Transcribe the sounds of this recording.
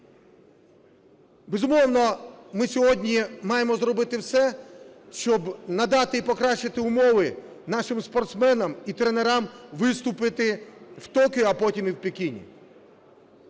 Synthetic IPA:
bezʊmɔwnɔmɪsʲɔɦɔdʲnʲimɑjemɔzɾɔbɪt̪ɪwsɛʃt͡ʃɔbnɐd̪ɑt̪ɪipɔkɾɑʃt͡ʃːɪt̪ɪʊmɔʋɪ | nɑʃɪmspɔrt̪smɛnɐmit̪ɾeneɾɑmʋɪst̪ʊpɪt̪ɪwt̪ɔkɪɐpɔtʲimɪwpekʲinʲḭ

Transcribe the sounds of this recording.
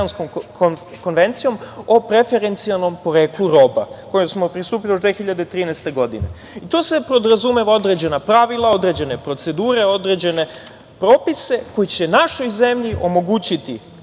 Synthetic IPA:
ansko̞m | ko̞nʋent̪sijo̞mo̞pɾe̞fe̞ɾe̞nt̪sialno̞mpo̞ɾe̞ːklˠuɾo̞ba̰ko̞josmo̞pɾist̪uːpilijo̞ʒd̪ʋexiʎad̪et̪ɾiːnɛst̪e̞ɡo̞d̪ḭne | it̪o̞ːsepɾo̞d̪ɾazumeʋao̞d̪ɾe̞ːd͡ʑe̞napɾaʋilˠao̞d̪ɾe̞d͡ʑe̞ne̞pɾo̞t̪se̞d̪uːɾe̞o̞d̪ɾe̞d͡ʑe̞ne̞ | pɾo̞ːpise̞ko̞jit͡ɕe̞naʃo̞jze̞mʎiʔo̞mo̞ɡuːt͡ɕit̪i

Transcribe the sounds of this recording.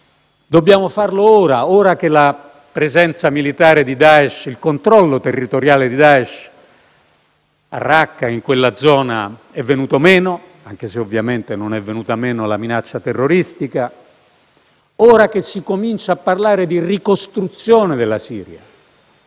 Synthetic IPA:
d̪obːjaːmofarlooːɾaoːɾak̟ela | pɾezɛnt̪samilit̪aːɾed̪id̪aːɛʃilkont̪ɾɔlːot̪erːit̪oɾjaːled̪id̪aːɛʃ | a̰rːakːaiŋkwelːad̪zɔːna̰ | ɛvːenuːt̪omɛːno | aŋk̟eseovːjament̪enonɛvːenuːt̪amɛːnolaminat͡ʃːat̪erːoɾist̪ika | oːɾak̟esːikomint͡ʃaaːpːarlaːɾed̪irikost̪ɾut̪sːjoːned̪elːasiːɾja̰

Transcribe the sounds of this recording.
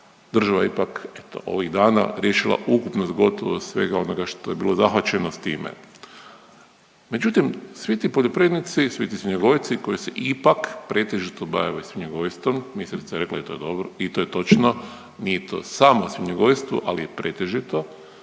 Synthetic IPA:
d̪r̩ʒaʋajeipake̞t̪oʔo̞̰ʋiɣd̪aːna̰ɾje̞ʃilˠa̰ʔukupnosɡo̞t̪o̰ʋo̰sʋe̞̰ɡao̞noɡaʃt̪ojebiːlˠo̞zaxʋat͡ʃe̞nost̪iːmḛ | me̞d͡ʒut̪imsʋit̪ipoʎo̞pɾed̪nit̪sisʋit̪isʲiɲeɡo̞jt̪siko̞jiseʔipakpɾe̞t̪eʒit̪oba̰jaʋasjʲeɲeɡoʋjst̪ommisɾt̪ajɾe̞klˠa̰it̪ojed̪obɾoit̪ojet̪o̞t͡ʃno | nijet̪o̞̰samosjiɲeɡojst̪ʋṵʔalijepɾet̪eʒit̪o̞

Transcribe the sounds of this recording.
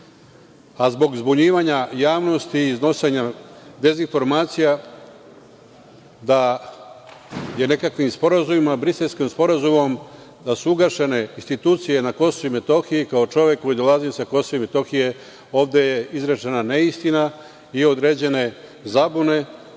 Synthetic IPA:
azbo̞ɡzbuɲiːʋaɲajaːʋno̞st̪iːzno̞seɲad̪e̞zinfo̞ɾmaːt̪sija | d̪a | je̞ne̞kakʋimspo̞ɾazumimabɾiselskimspo̞ɾazumo̞m | d̪asuuɡaʃe̞ne̞inst̪it̪uːt̪sije̞nako̞soime̞t̪o̞xijikaot͡ʃo̞ʋje̞kːo̞jid̪o̞lˠazisako̞soime̞t̪o̞xije̞ | o̞ːʋd̪e̞jeizɾet͡ʃenaneist̪ina | io̞d̪ɾe̞ːd͡ʑe̞ne̞ | zabune̞

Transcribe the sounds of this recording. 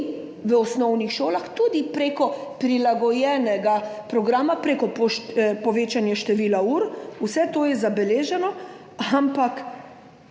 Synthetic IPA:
ʋəɔsnɔwnixʃoːlaxt̪ud̪ipɾeːkɔpɾilaɡɔjɛːnɛɡapɾɔɡɾaːmapɾeːkɔpʃpɔʋeːt͡ʃanjɛʃt̪ɛʋiːlauɾusɛt̪oːjɛzabɛleːʒɛnɔ | ampak

